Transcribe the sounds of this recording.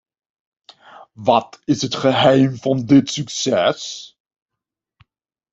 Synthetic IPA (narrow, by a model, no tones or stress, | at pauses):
ʋɑtɪsɦətχəɦɛjmvɑndɪtsyksɛs